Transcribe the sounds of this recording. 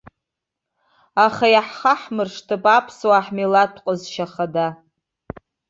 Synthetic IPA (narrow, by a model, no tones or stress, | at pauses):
aχajaħχaħmɨrʂtʰɨpʼapʰswaħmilatʷʰqʼəzʃaχada